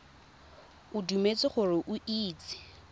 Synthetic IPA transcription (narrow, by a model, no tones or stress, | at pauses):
ʊdumet͡sʼɪχʊrɪʔʊʔiːt͡sʼɪ̥